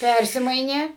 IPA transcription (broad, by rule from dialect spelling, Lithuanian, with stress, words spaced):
ˈpʲærʲsʲɪmɐɪnʲeː